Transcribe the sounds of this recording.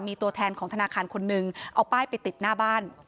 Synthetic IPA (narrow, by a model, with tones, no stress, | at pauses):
miː˧t̪u˧ɐt̪ʰɛː˧nkʰɔː˩˦ŋt̪ʰnaː˧kʰaː˧nkʰo˧nːɯ˨˧ŋʔa˧wpaː˥˩jpa˧jt̪i˨˩t̪̚naː˥˩baː˥˩n